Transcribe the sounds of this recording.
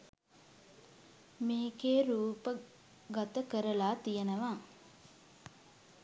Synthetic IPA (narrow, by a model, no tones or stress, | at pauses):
meːkeːɾuːpə | ɡat̪əkəɾəlaːt̪ijənəʋa